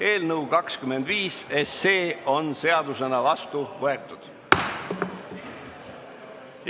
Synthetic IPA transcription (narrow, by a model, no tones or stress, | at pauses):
e̞ːlnɤuwkɑkskyme̞nd̪̥viːsesːe̞ːo̞nse̞ɑd̪us̬e̞nɑvɑst̪uvɤe̞t̪ːˑud̪̥